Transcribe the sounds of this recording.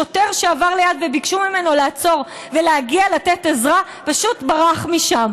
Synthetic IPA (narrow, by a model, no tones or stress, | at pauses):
ot̪eʁʃeavaʁlejadvebikʃumime̞no̞laːt͡so̞ʁ | ve̞leaɡialatetezʁa | paʃutbaʁaχmiʃam